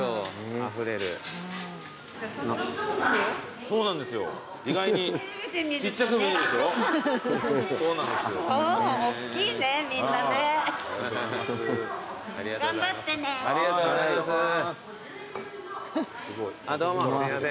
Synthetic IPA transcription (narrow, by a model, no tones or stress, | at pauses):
oɸɯɾeɾɯ̟̰ | n | so̞ːnãnd̪e̞sɨjo̞̰ | iɡaiɲi | t͡ɕit͡ɕːakɯmiĩd̪esɨjo | so̞ːnãnd̪esɨjo | inemĩnːae | a̰ɾʲiɡaɡãmbatt̪ːeneaɾʲiɡat̪oaasɨ | sɨɡoiad̪oːmoaɾimasẽ